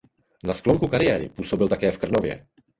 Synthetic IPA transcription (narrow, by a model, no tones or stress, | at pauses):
naskloŋkukaɾɪjɛːɾɪ̰puːso̞bɪlt̪akɛːfkr̩novjɛ̰